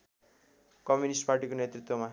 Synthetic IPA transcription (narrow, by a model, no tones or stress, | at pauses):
kʌmjunisʈparʈikonjet̪rit̪wʌma